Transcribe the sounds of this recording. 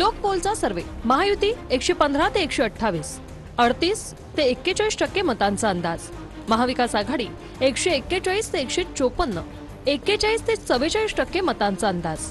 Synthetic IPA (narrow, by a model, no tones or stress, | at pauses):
lok̚polt͡sasəɾʋeməɦajut̪iːekɕepənd̪ʱɾat̪eːkɕeəʈʰːaʋiːs | əɽt̪iːs | t̪eːkːet͡ɕaisʈəkːemət̪ãnt͡səənd̪ad͡z | məɦaʋikasaɡʱaɽiː | ekɕeːkːet͡ɕaiːst̪eːkɕet͡ɕopənːə | ekːet͡ɕaiːst̪et͡səʋet͡ɕaiːsʈəkːemət̪ãnt͡səənd̪ad͡z